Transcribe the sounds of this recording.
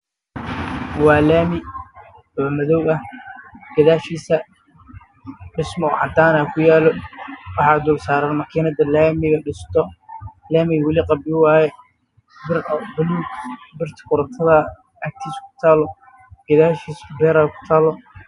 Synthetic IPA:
wɑːlaːmɪ | ɔːmɐðɔwɐhɡ̥ɐðaːʃiːsɐ | ɖɪsmɔʕɑ̰d̪aːnaːkʰʊjaːlɔwɑħɑːd̪ʊlsaːɾɐːnmɐkʰiːnɐd̪ɐlaːmɪɣɐɖɪst̪ʰɔlaːmɪwɑlɪqɑbɪwaːjɛ | bɪrbʊluːɡbɪrt̪ʰɐ̥kʰʊɾɐt̪ʰɐðɐ | ɐk̚t̪ʰiːskʰʊ̥t̪ʰaːlɔ | ɡ̥ɐðaːʃiːsbɛːɾaːkʰʊ̥t̪ʰaːlɔ

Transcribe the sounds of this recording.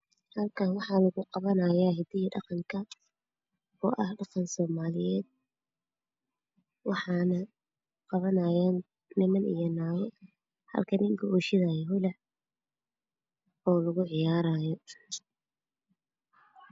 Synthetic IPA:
hɐlkʰaːnwɑħɑːlɐɣʊqɑβɐnɐjaːɦɪd̪ɪjɐɖɑqɑŋkʰɐ | ɔ̰ːʔɐhɖɑqɑnsɔːmaːlɪjɛːd̪̚ | wɑħɑːnɐ | qɑβɐnaːjaːn | nɪmɐnḭjɔnaːwɛ | hɐ̰lkʰɐnɪŋkʰʊuːʃɪðajɛɦʊlɛ | ɔːlɐɣʊʕɪjaːɾaːjɔ

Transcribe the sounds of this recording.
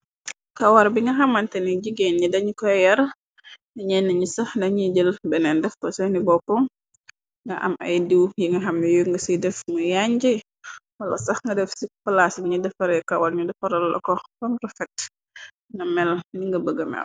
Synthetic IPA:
kɐwaɾbiŋɡɐɦɐmːɐntɛniɟiɡenɲidɐɲikɔjɐɾ | niɲɛnːɐɲisɐhdɐɲiɟəlbɛnɛndɛfbɐsɐnibɔkɔŋ | ŋɡɐ̰ʔɐ̰mɐ̰jdiwjiŋɡɐɦɐmːijuŋɡɐsidɛfmujaɲd͡ʒi | wɐlɐsɐxŋɡɐdɛfsipɐlasbiɲudɛfɐɾɛkawaɾɲudɛfɐɾɐllɐ̰kɔkɔnɾɔfɛt | nɐmɛlniŋɡɐbəɡɐmɛ̰l

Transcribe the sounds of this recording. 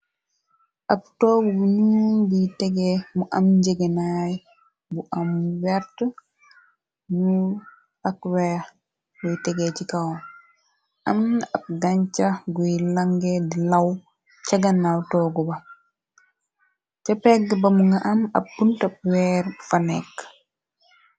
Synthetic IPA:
ʔab̚tɔːɡɔbunuɡutɛɡɛmuʔamd͡ʒɛɡɛnaj | buʔamwɛɾta | nu | akwɛ | ɡɔjtɛɡɛt͡ʃikawa | ʔamnab̚ɡaɲt͡ʃaɡɔjlaŋɡɛdilaw | t͡ʃaɡanːawtɔɡɔba | t͡ʃapɛɡɛbamuŋɡaʔama̰bːuntab̚wɛɾfanɛkː

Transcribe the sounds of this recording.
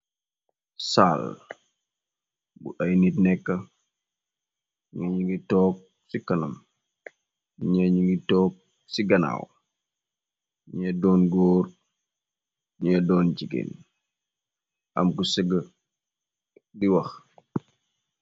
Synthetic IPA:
saːl | bṵʔɐjnitnɛkːɐ | ŋɐɲiŋɡitɔːk̚ | sikɐnɐm | ɲaɲiŋɡitɔːk̚ | siɡɐna̰ːw | ɲɛdɔːnɡɔːr | ɲɛdɔːnd͡ʒiɡḛːn | ʔɐ̰mkusɛɡə | diwɐx

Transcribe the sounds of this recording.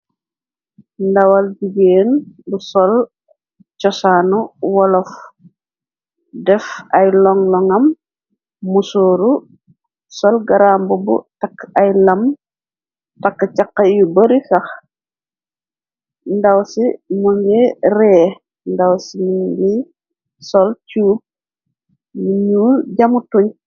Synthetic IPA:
ndɐwalbiɡeːnbusɔl | t͡ʃɔsanuwɔlɔf | dɛfɐjlɔŋlɔŋɐmː | usoːɾu | sɔlɡaɾambubṵtakːɐjlɐm | takːat͡ʃakːɐjubəɾisɐx | ndawsimuŋɡɛɾɛː | ndawsimiɡi | sɔlcuːp̚ | muɲuːlɟamutuɲ

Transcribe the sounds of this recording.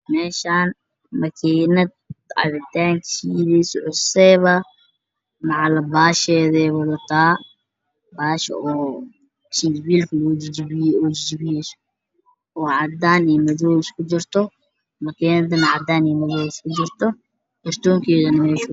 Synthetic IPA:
mɛːʃaːn | mɐkʰɛːnɐd̪̚ʕɑ̰ðɪt̪aːŋkʰʃiðɛsʕʊsɛβɐ | mɑʕɑlɐbaːʃɛːðɛːβɐðɐt̪ʰaː | baːʃɐ̰ɔː | ʃid͡ʒbiːlkʰɐlɔd͡ʒd͡ʒɔːd͡ʒɪd͡ʒbɪjɛs | ɔːʕɑd̪aːnɛjmɐðɔːwɪskʰʊd͡ʒɪrt̪ʰɔ | mɐkʰɛːnɐd̪ɐnɐʕɑd̪aːniːmɐðɔːjɪskʰʊd͡ʒɪrt̪ʰɔ | kɐrt̪ʰɔːŋkʰɛːðɐnɐmɛːʃʊ

